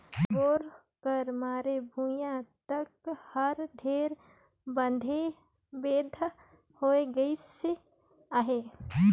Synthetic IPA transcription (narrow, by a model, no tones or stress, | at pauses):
oːɾ | kəɾmaːɾebʱujãt̪əkhəɾɖ̪ʱeːɾ | bə̃nd̪ʱe | beːd̪ʱ | hoːeɡəise | aɦe